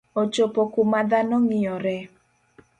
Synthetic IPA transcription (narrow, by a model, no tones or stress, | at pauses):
ot͡ʃopokumad̪anɔŋɪɔɾɛ